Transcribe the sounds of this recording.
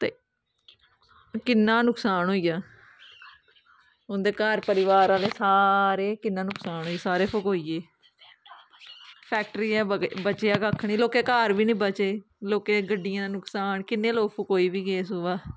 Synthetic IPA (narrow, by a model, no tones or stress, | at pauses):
t̪ḛː | kɪnːãːnʊksaːnɦoːijaː | ʊnd̪eːkaːɾpəɾɪʋaːɾaːleːsaːɾeːkɪnːãːnʊksaːnɦoːiːsaːɾeːpʰʊkɦoːiːeː | pʰɛːk̚ʈəɾiːɛːbət͡ʃeaːkaːkʰːɳiːloːkeːkaːɾʋiːnĩːbət͡ʃeː | loːkeːɡəɖːɪjãːaːnʊksaːnkɪnːẽːloːpʰʊkɦoːiːʋiːkeːs̬oʋaː